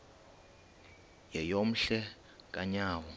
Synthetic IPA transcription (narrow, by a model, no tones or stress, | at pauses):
jɛjom̩ɬɛ | k̬ʼaɲaːwɔ